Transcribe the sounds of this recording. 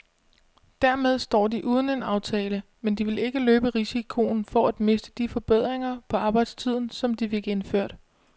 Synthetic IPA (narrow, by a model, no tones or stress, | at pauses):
d̥æɐmeð̞ˠsd̥ɒ̰ːd̥iʔuːð̞ˠn̩e̝nɑ̈ʊt͡sʰɛːləmend̥iʋe̝le̝ɡ̥əløːb̥əʁisikʰo̝n̩fɒ̽æd̥me̝sd̥ə̥d̥ifɒ̽b̥eð̞̰ˠʁeŋɐpʰɒ̽ɑ̈ːb̥ɑ̈ɪd̥st͡sʰið̞̰ˠn̩sɒ̽md̥ifeɡ̥e̝nføɐ̰d̥